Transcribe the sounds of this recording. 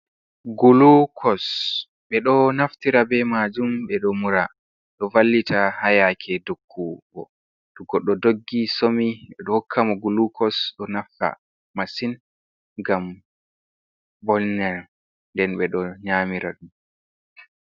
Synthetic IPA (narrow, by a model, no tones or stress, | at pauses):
ɡulukʰɔs | ɓɛɗɔnaftiɾabɛmad͡ʒumɓɛɗɔmuɾa | ɗɔvalːitahajakʰɛdokʰːuɡɔ | ɗuɡɔɗɔdoɡːisomiɓɛɗɔhokʰːamɔɡulukʰɔsɗɔnafta̰ | masin | ɡam | bɔlnɛ | ndɛnɓɛɗɔɲaːmiɾa̰ɗum